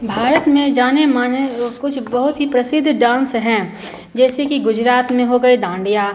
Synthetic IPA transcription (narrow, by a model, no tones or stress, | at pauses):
bʱaːɾət̪mẽd͡ʒaːnemaːnekʊt͡ʃʰbɐɦʊt̪ɦipɾɐsɪd̪ʱːɖãːnsɦɛ̃ | d͡ʒɛːsekiɡʊd͡ʒɾaːt̪mẽɦoɡɐid̪ãːɳɖijaː